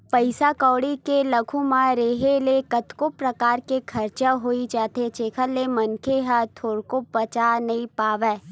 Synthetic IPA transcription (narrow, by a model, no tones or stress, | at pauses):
pəɪsakɔːɽikelɐkʰũmãɾeɦelekɐt̪kopɾɐkaːɾkekʰɐɾt͡ʃaɦoid͡ʒaːt̪et͡ʃeːkʰəlːemɐnkʰeɦat̪ʰoːɾkopɐt͡ʃanɐɦĩpaːʋeː